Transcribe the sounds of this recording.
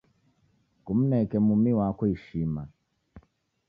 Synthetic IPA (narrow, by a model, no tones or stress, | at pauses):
kum̩nɛkɛmumiwakuiʃima